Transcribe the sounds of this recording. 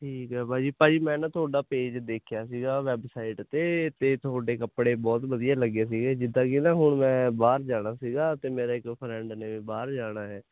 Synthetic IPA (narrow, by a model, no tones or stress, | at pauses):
ʈʰiːkɦɛːbaːd͡ʒiːpãːd͡ʒiːmɛ̃ːnãːt̪ʊaːɖaːpeːd͡ʒd̪eːkʰjaːsiːɡaːʋɛːbsaːɪʈt̪eːt̪eːt̪ʊɦaːɖeːkəpːɽeːbɔːt̪ʋəd̪ijaːləɡeːs̬iːɡeːd͡ʒɪd̪ãːkiːnãːɦʊɳmɛ̃ːbaːɾd͡ʒaːɽ̃aːsiːɡaːt̪eːmeːɾaːɪkpʰɾɛ̃ːɳɖneːʋiːbaːɾd͡ʒaːɽ̃aːɦɛː